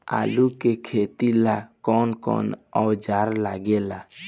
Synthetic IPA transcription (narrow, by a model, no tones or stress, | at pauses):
a̰lukekʰet̪ilakɔnkɔ̰nɔd͡ʒaɾlaɡela